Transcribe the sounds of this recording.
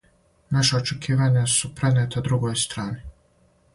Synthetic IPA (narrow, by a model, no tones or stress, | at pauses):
naʃaot͡ʃekʰiːʋaɲasupɾenet̪ʰad̪ɾuɡojst̪ɾaːni